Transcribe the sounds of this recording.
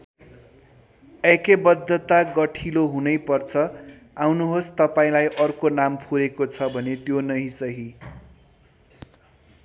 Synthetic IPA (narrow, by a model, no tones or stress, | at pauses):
ʌkebʌd̪ːʌt̪aɡʌʈʰiloɦunʌjpʌrt͡sʰʌ | awnuɦost̪ʌpaĩlajʔʌrkonampʰuɾekot͡sʰʌbʱʌnet̪jonʌɦĩsʌɦi